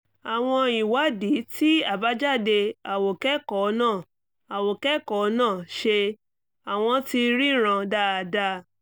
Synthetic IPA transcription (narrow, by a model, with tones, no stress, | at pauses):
a˨w̃ɔ̃˧i˨wa˨˦di˨˦tʰi˦a˦˨ba˦d͡ʒa˦˨de˧a˨wo˨kɛ˦kɔ˨˦nãː˦˨ | a˨wo˨kɛ˦kɔ˨˦nãː˦˨ʃe˧ | a˨w̃ɔ̃˧ti˧ɾi˦ɾ̃ã˧da˦a˨da˦